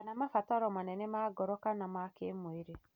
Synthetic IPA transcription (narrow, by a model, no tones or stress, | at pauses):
anamafataɾɔmanɛnɛmaɡɔɾɔkanamakemoeɾe